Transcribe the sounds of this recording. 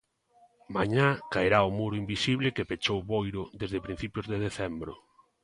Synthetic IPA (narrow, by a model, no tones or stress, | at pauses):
maɲakaeɾaʊmuɾʊimbisiβlɪkepet͡ʃowβojɾʊd̪ezðepɾĩn̟θipjʊzðeðeθɛmbɾʊ̰